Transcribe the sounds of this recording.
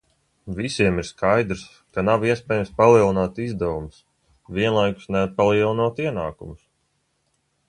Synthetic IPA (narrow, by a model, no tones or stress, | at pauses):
visiɛmiɾskajd̪ɾs | kanaviɛspʲɛːjamspalˠiɛlˠinaːt̪izd̪ɛwums | vʲiɛnlˠajku̥snɛat̪̚palˠiɛlˠinuɔt̪iɛnaːkṵmʊs